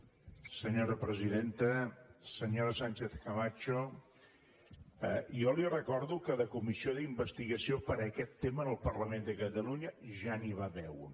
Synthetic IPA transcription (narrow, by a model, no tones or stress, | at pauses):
səɲoɾəpɾəziðent̪əsəɲoɾəsanʲt͡ʃeθkəβat͡ʃo | əjɔlirəkɔɾðukəðəkumisioðimbəst̪iɣəsiopəɾəkɛt̪ːeməːnəlˠpərləmend̪əkət̪əluɲəʒaniβaβɛw